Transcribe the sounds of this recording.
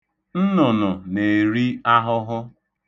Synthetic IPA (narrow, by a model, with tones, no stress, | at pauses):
n̩˦nʊ˨nʊ˨ne˨ɾi˦a˦ɦʊ˦ɦʊ˦